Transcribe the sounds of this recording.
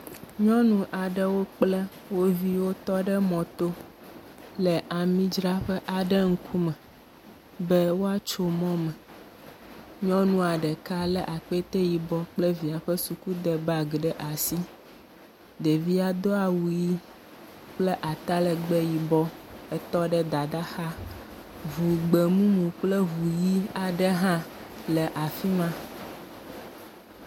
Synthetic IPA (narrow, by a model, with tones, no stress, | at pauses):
ɲɔ̃˦nũ˨ʔa˨ɖɛ˨wo˦k͡plɛ˦ | wo˦vi˦wo˦t̪ɔ˦ɖɛ˦mɔ̃˨t̪o˦ | lɛ˨ʔa˨mĩ˦d͡ʒɾa˦ɸɛ˦ʔa˨ɖɛ˦ŋ̩˦kʰu˦mɛ̃˨ | bɛ˦wo˦a˦t͡ʃo˦mɔ̃˦mɛ̃˨ | ɲɔ̃˦nũ˦a˨ɖɛ˨ka˦lɛ˦ʔa˨k͡pe˦t̪ɛ˦ji˨bɔ˦k͡plɛ˦vi˨a˨ɸɛ˦su˨ku˦d̪ɛ˨ba˨ɡɖɛ˦ʔa˨si˦ | d̪e˨vi˦a˨d̪o˦a˨wu˨ji˦ | k͡plɛ˦ʔa˨t̪a˦lɛ˨ɡ͡bɛ˦ji˨bɔ˦ɛ˦t̪ɔ˦ɖɛ˦d̪a˨d̪a˦xa˦ | vu˨ɡ͡be˨mũ˦mũ˨k͡plɛ˦vu˨ji˦a˨ɖɛ˦ɦã˦ | lɛ˨ʔa˨fi˦mã˦